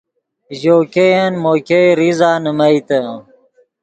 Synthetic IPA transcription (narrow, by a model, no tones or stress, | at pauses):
ʑoːkejɐnmoːkeɾizaːnəmɐjt̪ə